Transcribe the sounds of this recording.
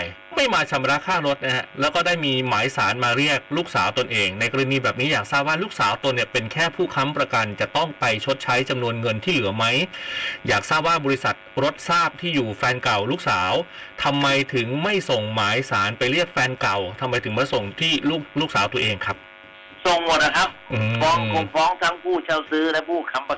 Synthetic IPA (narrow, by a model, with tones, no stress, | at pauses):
j | ma˥˩jmaː˧t͡ɕʰa˩˦m˧ɾa˦˥kʰaː˥˩ŋɾo˦˥t̪̚na˦˥ha˦˥lɛː˦˥wkɔː˥˩daː˥˩jmiː˧maː˩˦jsaː˩˦nmaː˧ɾi˥˩ək̚luː˥˩k̚saː˩˦wt̪o˧nʔeː˧ŋna˧jkɾɯ˧niː˧bɛː˨˩p̚niː˦˥jaː˨˩k̚saː˥˩p̚waː˥˩luː˥˩k̚saː˨˩˦wt̪o˧ni˥˩pe˧nkʰɛː˥˩pʰuː˥˩kʰa˦˥mpɾa˧ka˧nt͡ɕa˨˩t̪ɔ˥˩ŋpa˧jt͡ɕʰo˦˥t̪̚t͡ɕʰa˦˥jt͡ɕa˧mnu˧ənŋɤ˧nt̪ʰiː˥˩lɯ˩˦ɐma˦˥jjaː˨˩k̚saː˥˩p̚waː˥˩bɔː˧ɾi˦˥sa˨˩t̪̚ɾo˦˥t̪̚saː˥˩p̚t̪ʰiː˥˩juː˨˩fɛː˧nka˨˩wluː˥˩k̚saː˩˦wt̪ʰa˧mːa˧jt̪ʰɯ˩˦ŋma˥˩jso˨˩ŋmaː˩˦jsaː˩˦npa˧jli˥˩ək̚fɛː˧nka˨˩wt̪ʰa˧mːa˧jt̪ʰɯ˩˦ŋpɾa˧˥so˨˩ŋt̪ʰiː˥˩luː˥˩k̚luː˥˩k̚saː˩˦wt̪u˧əʔeː˧ŋkʰɾa˦˥p̚ | so˨˩ŋmu˨˩t̚na˧˥kʰa˦˥p̚ʔɯɯː˧fɔː˦˥ŋkʰu˨˩fɔː˦˥ŋt̪ʰa˦˥ŋpʰuː˥˩t͡ɕʰa˧˩wsɯː˦˥lɛ˦˥pʰuː˥˩kʰa˧˦˥mpa˧